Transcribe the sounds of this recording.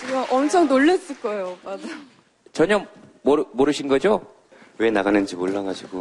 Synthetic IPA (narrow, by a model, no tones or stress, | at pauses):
kɯaʔʌmt͡ɕʰʌŋnoɭːes͈ɯɭk͈ʌejomad͡ʑajo | t͡ɕʌɲʌmomoɾɯɕʰinɡʌd͡ʑo | we̞naɡanɯnd͡ʑimoɭːaɡaɕʰiɡo